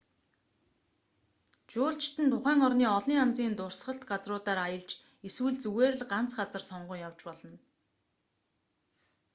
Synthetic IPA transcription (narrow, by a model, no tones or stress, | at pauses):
t͡ɕʊːɬt͡ɕt̪ɘ̆nt̪ʰʊχæːŋɔrniːɔɮiːŋant͡siːnt̪ʊr̥sχə̆ɬt̪ɢat͡srʊːt̪aːɾajə̆ɮt͡ɕ | iswɘ̆ɮt͡suɣeːr̆ɮɢan̥t͡sɢat͡sə̆rsɔɴɢʊːŋjawt͡ɕpɔɮɞ̆n